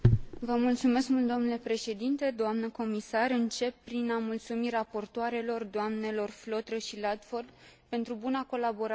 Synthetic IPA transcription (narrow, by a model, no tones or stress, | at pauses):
vəmult̪sume̞skmult̪̚d̪o̞mnule̞pɾe̞ʃe̞d̪int̪e̞d̪oamnəko̞misaɾɨnt͡ʃe̞pːɾinamult̪sumirapo̞rt̪oaɾe̞lo̞rd̪oamne̞lo̞rflo̞t̪ɾəʃilad̪ford̪pe̞nt̪ɾubunako̞labo̞ɾa